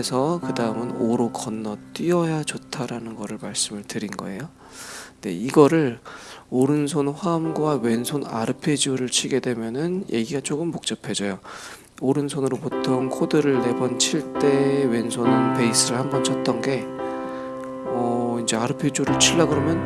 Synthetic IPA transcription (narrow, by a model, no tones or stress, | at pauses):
esʰʌkɯdaɯmɯnoɾokʌnːʌt͈ɥiʌjad͡ʑotʰaɾanɯnɡʌɾɯɭmaɭs͈ɯmɯɭtɯɾinɡʌ̰e̞̰jo | ne̞̰iɡʌɾɯɭoɾɯnsʰonɸwamɡwawe̞nsʰona̰ɾɯpʰe̞d͡ʑuɾɯɭt͡ɕʰiɡe̞dwe̞mjʌnɯnje̞ɡiɡat͡ɕ͈oɡɯmːok̚t͡ɕ͈ʌpʰe̞d͡ʑʌjo | oɾɯnsʰonɯɾopotʰoŋkʰodɯɾɯɭːe̞bʌnt͡ɕʰiɭt͈e̞we̞nsʰonɯnpe̞is͈ɯɾɯɭhambʌnt͡ɕʰʌt̚t͈ʌnɡe̞ | ʌind͡ʑe̞aɾɯpʰe̞d͡ʑuɾɯɭt͡ɕʰiɭːaɡɯɾʌmjʌn